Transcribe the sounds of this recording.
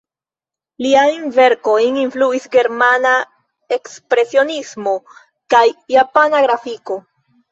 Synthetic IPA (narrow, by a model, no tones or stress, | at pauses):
liajnve̞ɾko̞jninfluisɡe̞ɾmana | e̞kspɾe̞sio̞nismo̞ | kajːapanaɡɾafiko̞